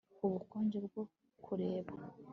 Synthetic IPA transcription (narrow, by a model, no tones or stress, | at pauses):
uβukoːɲɟebɡo | kʰuɾeːβa